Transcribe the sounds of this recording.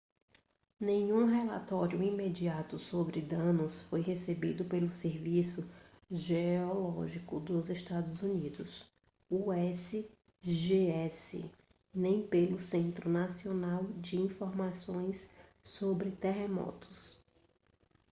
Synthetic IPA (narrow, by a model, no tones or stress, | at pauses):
nẽɲũɦela̰t̪ɔɾjʊimed͡ʒiat̪ʊsobɾɪd̪ɐ̃nʊsfojɦesebid̪ʊpelʊseɾvisʊ | ʒeɔlɔʒikʊd̪ʊzeʃt̪ad̪ʊzunid̪ʊs | uɛsɪ | ʒeɛsɪ̰ | nẽj̃pelʊsẽnt̪ɾʊnasionawd͡ʒɪĩfoɾmasõj̃sː | obɾɪt̪eɦemɔ̰t̪ʊ̥s